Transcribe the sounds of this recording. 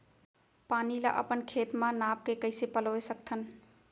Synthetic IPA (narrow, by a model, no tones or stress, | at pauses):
panila̰ʔə̰pənkʰet̪manap̚kekəɪsepələwesəkt̪ʰən